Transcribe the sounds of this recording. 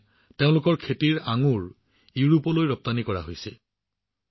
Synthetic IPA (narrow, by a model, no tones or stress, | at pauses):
teʊ̃lʊkɔɹkʰetiɹaŋuɹ | juɹupɔlojɹɔp̚tanikɔɹa̰ɦojsɛ̰